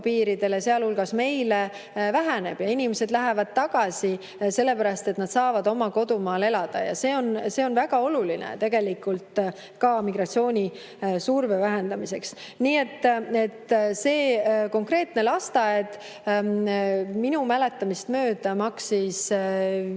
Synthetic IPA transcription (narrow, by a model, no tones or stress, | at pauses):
piːɾid̪̥e̞leseɑlhulɡ̥ɑsme̞jle | væɦæne̞b̥jɑinʲimese̞d̪læɦævɑd̪̥̚t̪ːɑɡ̥ɑsi | se̞lːe̞pæɾɑst̪e̞t̪ːnɑd̪̥sɑːvɑd̪o̞mɑko̞d̪umɑːle̞lɑd̪̥ɑ̰jɑ̰se̞ːo̞nse̞ːo̞nvæɡ̥ɑo̞lulinḛt̪e̞ɡ̥e̞likult̪ | kɑmiɡ̥rɑt̪sio̞ːnʲi | survevæɦe̞nd̪̥ɑmise̞ksniːe̞t̪ːe̞t̪ːse̞ːko̞ŋkre̞ːt̪ne̞lɑst̪ɑed̪ | minumæle̞t̪ːˑɑmist̪mø̞ːd̪̥ɑmɑksis